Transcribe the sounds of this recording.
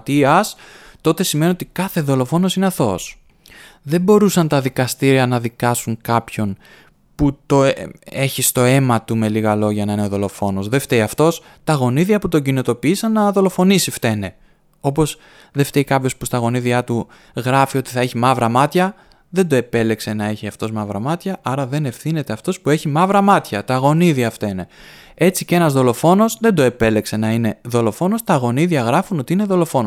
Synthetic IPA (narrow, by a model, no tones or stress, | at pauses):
t̪iɐst̪o̞t̪e̞sime̞niot̪ikɐθe̞ðo̞lo̞fo̞no̞sineɐθo̞s | ðe̞mbo̞ɾusɐnt̪ɐðikɐst̪iɾiɐnɐðikɐsuŋkɐpço̞n | put̪o̞e̞çist̪o̞e̞mɐt̪ume̞liɣɐlo̞ʝɐnɐineoðo̞lo̞fo̞no̞zðe̞ft̪eiɐft̪o̞s | t̪ɐɣo̞niðiɐput̪o̞ɟinot̪o̞piisɐnːɐðo̞lo̞fo̞nisift̪e̞ne̞ | o̞p̬o̞z | ðe̞ft̪eikɐpço̞spust̪ɐɣo̞niðiɐt̪u | ɣɾɐfio̞t̪i̥θɐe̞çimɐvɾɐmɐt̪çɐ | ðe̞nd̪oe̞pe̞le̞kse̞nɐe̞çiɐft̪o̞zmɐvɾɐ̰mɐt̪çɐʔɐɾɐðe̞ne̞fθine̞t̪e̞ɐft̪o̞spue̞çimɐvɾɐmɐt̪çɐt̪ɐɣo̞niðiɐft̪e̞ne̞ | e̞t͡sice̞nɐzðo̞lo̞fo̞no̞sðe̞nd̪o̞e̞pe̞le̞kse̞nɐine̞ðo̞lo̞fo̞no̞st̪ɐɣo̞niðjɐɣɾɐfuno̞t̪iine̞ðo̞lo̞fo̞no